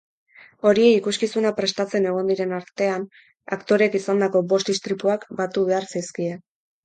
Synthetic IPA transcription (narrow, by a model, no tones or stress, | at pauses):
o̞ɾie̞ikuskisunapɾe̞st̪at͡se̞ne̞ɣ̞o̞nd̪iɾe̞naɾt̪e̞an | a̰kt̪o̞ɾe̞kisand̪ako̞bo̞st̪ist̪ɾipuakbat̪uβe̞aɾsiskie